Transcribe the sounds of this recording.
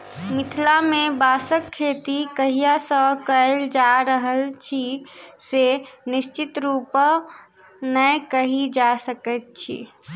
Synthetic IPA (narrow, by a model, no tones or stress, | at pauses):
mit̪ʰlamebasəkʰːet̪ikəɦijasəkəeld͡ʒaɾəɦəlt͡ʃʰisenist͡ʃit̪ɾup | nəjkəɦid͡ʒasəkət̪̚t͡ʃʰḭ